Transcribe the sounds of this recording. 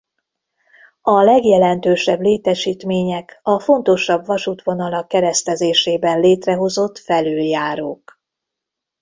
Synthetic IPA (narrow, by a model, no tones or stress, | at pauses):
ɒlɛɡjɛlɛnt̪øːʃɛbleːt̪ɛʃiːt̪meːɲɛkɒfo̞nt̪o̞ʃɒbvɒʃut̪ʋo̞nɒlɒkːɛɾɛst̪ɛzeːʃeːbɛnleːt̪rɛɦo̞zo̞t̪ːfɛløːljaːɾoːk